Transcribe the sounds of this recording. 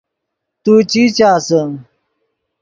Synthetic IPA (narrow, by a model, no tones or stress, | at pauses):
t̪ut͡ɕit͡ɕaːsɐ